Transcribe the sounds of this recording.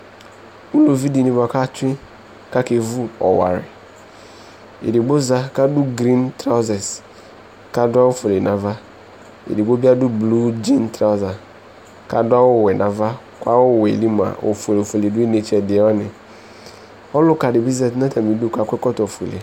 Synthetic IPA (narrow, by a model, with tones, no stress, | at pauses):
u˦lo˨vi˦di˨nĩ˨ba˨ka˦t͡ʃʊ˦ɪ̃˦ | ka˦ke˨vu˦ɔ˨wa̰˨ɾɪ̰˨ | ḛ˨di˨ɡ͡bo˦za˦ka˦dʊ˦ɡɾĩ˦ntɾa˦ʊ˦zɛ˨s | ka˦dʊ˦a˦wo˦fo˨le˨nã˨va˦ | ḛ˨di˨ɡ͡bo˦bi˦a˦dʊ˦blu˦d͡ʒĩ˦ntɾa˦za˨ | ka˦dʊ˦a˦wʊ˦˨wɛ˨nã˨va˦ | ka˦wʊ˦˨wɛ˨li˦m˨a̰˨ʔo̰˨fe˨le˨fe˨le˨dʊ˦i˦ne˨t͡ʃɛ˨dɪ˨˦ɔ˦nɪ̃˨ | ɔ˦lʊ˦ka˨dɪ˨bi˦zɛ˨tnã˦tʰa˨mi˨du˦˨ka˨kʷɛ˦kɔ˦tɔ˨fu˨e˨lḛ˨